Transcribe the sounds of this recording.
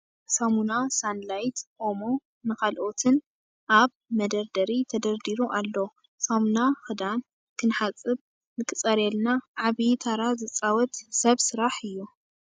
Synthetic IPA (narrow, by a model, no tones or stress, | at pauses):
samunasanlajt̪ʔo̞mo̞ | nɨkʰalʔo̞t̪ʰɨn | ʔaβ | mɐd̪ɐɾd̪ɐɾit̪ʰɐd̪ɐɾd̪iɾuʔalːo | samunaxɨd̪an | kʰɨnħat͡sʼːɨβ | nɨkʰɨt͡sʼɐɾɛlnaʕaβit̪ʰaɾazɨt͡sʼawɔt̪sɐβsɨɾaħɨjːu